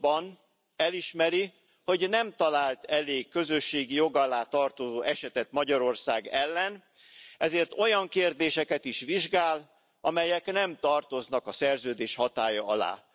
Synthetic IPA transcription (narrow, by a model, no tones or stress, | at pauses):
bɒn | ɛliʃmɛɾi | ho̞ɟnɛmt̪ɒlaːlt̪ɛleːkːø̞zø̞ʃːeːɡijo̞ɡɒlaːt̪ɒrt̪ozoːʔɛʃɛt̪ɛt̪mɒɟɒɾo̞rsaːɡɛlːɛn | ɛzeːrt̪o̞jɒŋkeːrd̪eːʃɛkɛt̪iʃʋiʒɡaːl | ʔɒmɛjɛknɛmt̪ɒrt̪o̞znɒkɒsɛrzøːd̪eːʃhɒt̪aːjɒɒla̰ː